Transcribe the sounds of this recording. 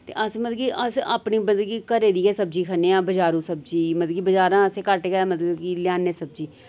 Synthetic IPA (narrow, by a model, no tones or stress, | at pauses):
t̪ḛːʔəsmət̪ləɡiːʔəsa̰ːpɳiːbənd̪ɡiːkəɾeːd̪iːɛːsəbd͡ʒiːkʰəneːãːbəd͡ʒaːɾũːsəb̚d͡ʒiːmət̪ləɡiːbəd͡ʒaːɾãːəseːkəɾʈekəːmət̪ləɡiːlɪjaːneːsəb̚d͡ʒiː